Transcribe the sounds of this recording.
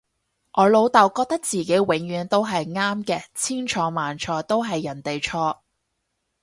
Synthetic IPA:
ʔɔː˨˧lo˨˧wt̪ɐ˨˩wkɔː˧k̚t̪ɐ˥k̚t͡siː˨˩ke˨˥jwɪ˨˥ŋjyː˨˧nt̪o˥wɦɐ˨jŋaː˥mkɛː˧t͡sʰiː˥ŋt͡ʃʰɔː˨˧˥maː˨˩nt͡ʃʰɔː˨˥jt̪o˥wɦɐ˨jːɐ˨˩nt̪e˨jt͡ʃʰɔː˧

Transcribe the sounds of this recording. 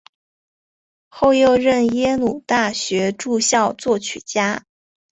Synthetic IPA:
xo˥˧ʊjo˥˧ʊɻə˥˩njɛ˥nu˨˩t̪a˥˩ɕɥɛ˧˥ʈ͡ʂu˥˧ɕjɑ˥˧ʊt͡swɔ˥˩t͡ɕʰy̰˨˩t͡ɕja˥

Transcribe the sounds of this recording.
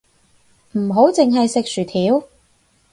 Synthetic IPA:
m̩˨˩ɦo˨˥wt͡sɪ˨ŋɦɐ˨jsɪ˨k̚sy˨˩t̪ʰiː˨˥w

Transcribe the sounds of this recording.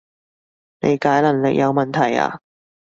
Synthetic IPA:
ne˨˧jkaː˨˥jlɐ˨˩ŋlɪ̰˨k̚jɐ˨˧wmɐ˨nt̪ʰɐ˨˩ja̰ː˧

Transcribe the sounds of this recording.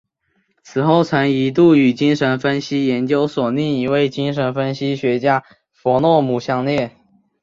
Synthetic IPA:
t͡sʰɹ̩˨˩xo˥˩ʊt͡sʰa˧˥nŋi˧˥t̪̬u˥˩y˨˩t͡ɕi˥ŋʂə˧˥nfə˥nɕi˥jɛ˧˥nt͡ɕjo˥ʊswɔ˨˩ni˥˩ŋi˧˥we˥˩ɪt͡ɕi˥ŋʂə˧˥nfə˥nɕi˥ɕɥɛ˧˥t͡ɕja˥ | fwɔ˧˥nwɔ˥˩mu˨˩ɕjɑ˥˧ŋljɛ˥˩

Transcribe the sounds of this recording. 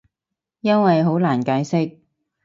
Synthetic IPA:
jɐ˥nwɐ˨jɦo˨˥wlaː˨˩nkaː˨˥jsɪ˥k̚

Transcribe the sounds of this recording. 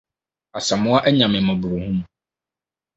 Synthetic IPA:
a˨sa˨mʊ̃˦a˦ʔɛ˦ɲã˨mɪ̃˨mɛ̃˨bu˨ɾu˨hũ˦m˨

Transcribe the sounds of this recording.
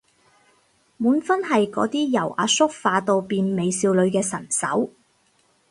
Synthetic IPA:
muː˨˥nfɐ˥nɦɐ˨jkɔ̰ː˨˥t̪iː˥jɐ˨˩wʔa̰ː˨˥sʊ˥k̚faː˧t̪o˧wpiː˨nme˨˧jsiː˧wlɵ˨˧ɥkɛː˧sɐ˨˩nsɐ̰˨˥w

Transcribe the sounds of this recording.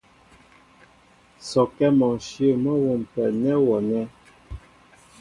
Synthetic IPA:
sɔ˨kɛ˦mɔ˨ʃjə˦˨mə˦wo˨m˨pɛ˨nɛ˦wɔ˨nɛ˦

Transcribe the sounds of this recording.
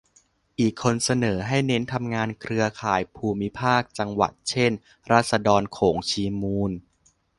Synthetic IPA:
ʔiː˨˩kʰːo˧nsa˧nɤː˩˦ɦa˥˩jne˦˥nt̪ʰa˧mŋaː˧nkʰɾɯ˧ɐkʰaː˨˩jpʰuː˧mi˦˥pʰaː˥˩k̚t͡ɕa˧ŋwa̰˨˩t̪̚t͡ɕʰe˥˩n | ɾaː˥˩t̪̚sa˧dɔː˧nkʰoː˩˦ŋt͡ɕʰiː˧muː˧n

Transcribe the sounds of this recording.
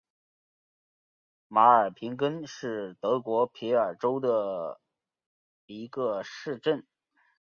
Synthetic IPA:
ma˧˥ə˞˨˩pʰi˧˥ŋkə˥nʂɻ̩˥˩t̪ɤ˧˥kwɔ˧˥pʰi˧˥ə˞˨˩ʈ͡ʂo˥ʊd̪ə˨ | i˧˥ɡə˧ʂɻ̩˥˧ʈ͡ʂə˥˩n

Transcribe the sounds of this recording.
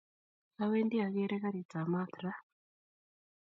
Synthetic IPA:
a˦weː˦ndi˦a˨ɡe˦ɾeka˦ɾi˨t͡sa˨ma˦t̪ɾa˦

